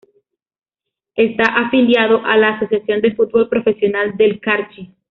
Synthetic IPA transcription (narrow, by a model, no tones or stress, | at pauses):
est̪aʔafiljaðoʔalaːso̞sjasjo̞nd̪efut̪̚bo̞lpɾo̞fe̞sjo̞nald̪e̞lkaɾt͡ʃi